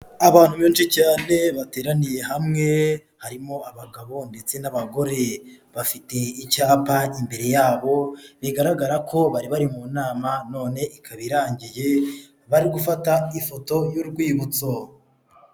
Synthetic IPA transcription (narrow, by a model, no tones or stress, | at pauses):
aβaːn̥umiːnʃicaːne̞βate̞ːɾanije̞ɦamŋe̞ | haɾimo̞aβaɡaβo̞nde̞t͡se̞naβaɡo̞ɾe̞βafite̞icaːpaimbe̞ɾe̞jaːβo̞βiɡaɾaɡaɾakʰo̞βaɾiβaɾimunaːmano̞ːne̞ʔikʰaβiɾaːɲɟije̞ | βaɾiɡufataifo̞to̞juɾɡwiːβut͡so